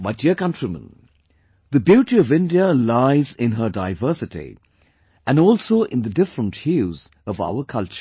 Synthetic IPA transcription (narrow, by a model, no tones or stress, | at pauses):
maɪdiəkʌ̃ntɹimə̰̃n | ðəbjuːʈiʌvɪ̃ndiəlaɪzɪ̃nɦə˞daɪvɜ˞sɨtḭ | ʔɨ̃nɔːlˠsoʊʔɪ̃nðədɪfɹə̃nthjuz | ʌva̰ʊəkʰʌlt͡ʃə̥